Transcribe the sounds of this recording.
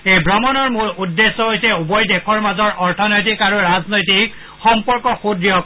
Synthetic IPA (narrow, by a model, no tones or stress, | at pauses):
ejbɹɔmɔnɔɹmuɹudːesːɔɦojsɛubɔjdekʰɔɹmazɔɹʔɔɹtʰɔnojt̬ikaɹuɹaznojtik | xɔmpɔɹkɔxudɹijɔ